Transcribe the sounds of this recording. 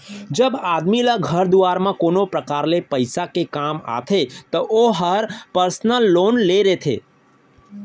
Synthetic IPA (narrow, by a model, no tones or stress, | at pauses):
d͡ʒəbad̪miləɡʱəɾd̪uaɾmãkonopɾəkaːɾlepəɪsakekama̰t̪ʰet̪əʔoɦəɾpəɾsnəlːonleɾet̪ʰḛ